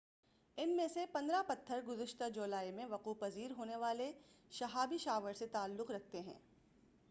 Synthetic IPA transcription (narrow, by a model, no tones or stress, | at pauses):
ɪnmẽsepɐ̃nd̪ɾapɐt̪ʰːəɾɡʊzəʃt̪ad͡ʒʊːlaːimẽʋɐquːpɐziːɾɦoːneʋaːleʃɐɦaːbiʃaːʋəɾset̪aːlːʊqɾɐk̚ʰt̪eɦɛ̰̃ː